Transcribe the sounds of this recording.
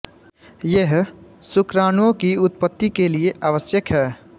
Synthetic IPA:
jeɦsʊkɾaːñuõkiʊt̪̚pət̪ːikelieʔaːʋəsjəkɦɛː

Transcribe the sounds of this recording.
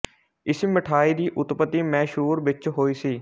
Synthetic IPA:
ɪsmɪʈʰaːiːd̪iːʔʊt̪pət̪iːmɛ̃ːʃɦuːɾʋɪt͡ʃɦoːiːsiː

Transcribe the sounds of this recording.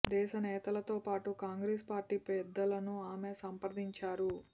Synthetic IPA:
d̪ɛːʃɐnɛːt̪ɐlɐt̪o̞ːpaːʈukaːŋɡɾespaːɾʈiːpɛd̪ːɐlɐnuaːme̞sɐmpɐɾd̪iɲt͡ʃaːɾu

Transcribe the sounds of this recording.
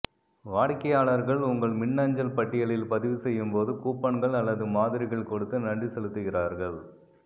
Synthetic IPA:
ʋaːɽkːɐjaːɭɐɾɣɐɭʊŋɡɐɭmɪɳːaːɲd͡ʒɐlpɐʈːɪjɐɭɪlpɐðɪʋɯsɛjːɯmpoːðɯkuːpːɐɳɡɐɭɐlːɐðɯmaːðɪɾɪɣɐɭkɔɽɯt̪ːɯnɐɳɖisɛɭɯt̪ːɯɣɪraːɾɣɐɭ

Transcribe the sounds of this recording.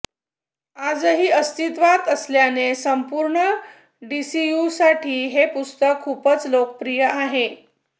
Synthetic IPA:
ad͡zəɦiːəst̪it̪ʋat̪əsljanesəmpuɾɳə | ɖisijusaʈʰiːɦepust̪əkʰːuːpət͡slokəpɾijəʔaɦe

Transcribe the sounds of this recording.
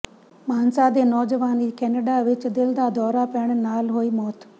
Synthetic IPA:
maːnsad̪eːnɔːd͡ʒəʋaːniːkɛːneɖaʋɪt͡ɕd̪ɪld̪ad̪ɔːɾapeɽ̃naːlɦoimɔːt̪

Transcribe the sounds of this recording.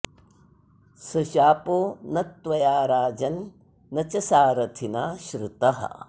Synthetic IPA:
sɐʃaːpoːnɐt̪ʋɐjaːɾaːd͡ʒɐnː | ɐt͡ʃɐsaːɾɐt̪ʰinaːʃɾut̪ɐɦɐ̰

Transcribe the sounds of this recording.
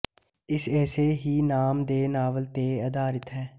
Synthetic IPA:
ɪsɛːseɦiːnaːmd̪eːnaːʋəlt̪eːəd̪aːɾɪt̪ɦɛː

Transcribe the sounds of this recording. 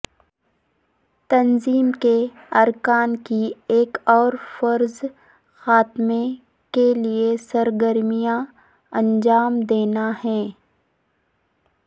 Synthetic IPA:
t̪ɐnziːmke | ɐɾkaːnkieːkɔːɾfɐɾz | xaːt̪me | keliesɐɾɡəɾmijã | ɐ̃nd͡ʒaːmd̪eːnaɦɛː

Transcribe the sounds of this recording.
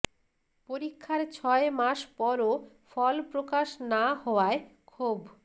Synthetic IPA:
poɾikʰːaɾt͡ɕʰɔemaʃpɔɾo | fɔlpɾokaʃnaɦɔoaekʰub

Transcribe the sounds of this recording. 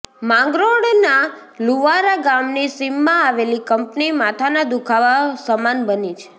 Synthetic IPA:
mãŋɡɾoɽna | luʋaɾaɡamnisimːãaʋelikəmpnimat̪ʰanad̪ukʰaʋasəmanbənit͡ʃʰe̥

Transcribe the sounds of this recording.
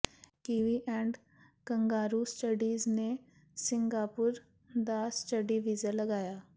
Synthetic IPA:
kiʋiʔɛ̃ɳɖ | kɐŋɡaːɾusʈəɖiːzne | sɪŋɡaːpuɾ | d̪asʈəɖiʋiːzəlɐɡaːjaː

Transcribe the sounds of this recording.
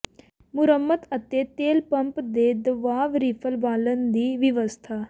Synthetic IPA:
mʊɾəmːət̪ət̪eːt̪eːlpə̃mpd̪eːd̪əʋaːʋɾiːpʰəlʋaːlənd̪iːʋɪʋəst̪ʰaː

